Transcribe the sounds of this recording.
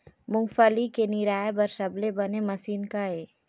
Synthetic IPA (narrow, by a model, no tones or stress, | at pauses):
mʊŋfəlikenɪɾaːebɐɾsɐblebɐnemɐsiːnkae